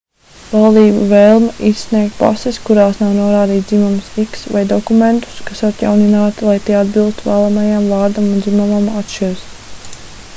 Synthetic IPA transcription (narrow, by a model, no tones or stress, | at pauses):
valˠd̪iːbṵveːlˠmɛʔisːniɛk̚t̪̚pa̰seskuɾaːsnawnuɔɾaːd̪iːt̪imumsiksva̰jd̪ɔkument̪u̥skasat̪ja̰wninaːt̪ilˠajt̪iɛad̪bilˠst̪uvæːlˠamajamvɑːɾd̪amundzimumamat̪ʃiɾs